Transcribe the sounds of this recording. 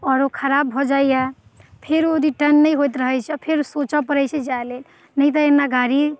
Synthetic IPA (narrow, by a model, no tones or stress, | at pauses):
ɔːɾokʰəɾabʱːɔd͡ʒajja | pʰeɾod̪ʱiʈənːəjɦojt̪ɾəɦɛjt͡ʃʰɛpʰeɾsot͡ʃapəɾɛt͡ʃʰɛd͡ʒalel | nəjt̪əenːaɡaɾi